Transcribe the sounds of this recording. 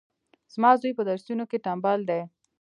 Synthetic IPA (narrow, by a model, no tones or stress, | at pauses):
z̥mɑzojpəd̪aɾsunokeʈambald̪e